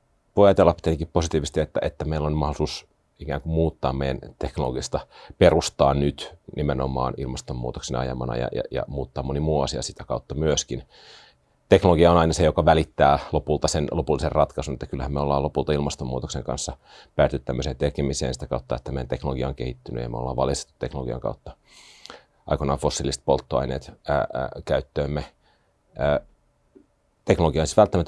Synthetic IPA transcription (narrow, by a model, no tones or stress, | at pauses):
ʋojɑjt̪elːɑpit̪ːænikipposit̪iːʋist̪iet̪ːæʔet̪ːæmeilːonmɑholisuːs | ikæːŋkummuːt̪ːɑ̰ːmmejæ̰nt̪eknoloɡist̪ɑperust̪ɑːnnyt̪nʔimeno̰mˑɑ̰ːnilmɑst̪omːṵːt̪oksinɑ̰jɑ̰mɑ̰nɑ̰jɑ̰jɑ̰jɑ̰muːt̪ːɑːmonimuːɑsiɑ̰sit̪ækɑut̪ːɑmyøskin | t̪eknoloɡiɑonɑinɑsejokɑʋælit̪ːæːlopult̪ɑsenlopulːiserrɑt̪kɑsunet̪ːækylhæmeolːɑːlopult̪ɑilmɑst̪omːuːt̪okseŋkɑ̰nsːɑ | pæːt̪yt̪t̪æmːøseːnt̪ekemisḛːnsi̥t̪ækɑut̪ːɑet̪ːæmejænt̪eknoloɡiɑoŋkehit̪ːyny̰jɑ̰meolːɑ̰ːʋʋɑ̰list̪e̥t̪ːut̪ːeknoloɡiɑ̰ŋkɑ̰ut̪ːɑ | ɑ̰ikonɑːfosːilːist̪̚polt̪ːoɑ̰inḛːt̪ː | kæyt̪ːøːmːe | əː | t̪eknoloɡiɑonsit̪ʋælt̪ːæmæt̪